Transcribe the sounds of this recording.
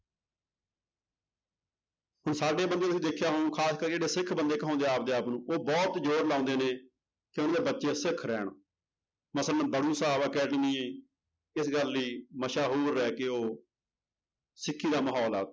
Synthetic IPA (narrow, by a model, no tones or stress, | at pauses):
ɦʊɳsaːɖeːbənd̪eːt̪ʊsĩːd̪ekʰːjaːɦokʰaːskəɾːd͡ʒeːeːsɪkʰbənd̪eːkɦãːnd̪eːaːp̚d̪eːaːpnũːʔoːbɔːt̪d͡ʒoːɾlãːnd̪eːneː | keʊnaːd̪eːbətːʃeːsɪkʰɾɛːɳ | məslənbəɽũːsaːbkɛːʈniːẽː | ɪsɡəlːiːməʃaːɦoːɾːɛːkeoː | sɪkʰːiːd̪aːməɦɔːla̰ː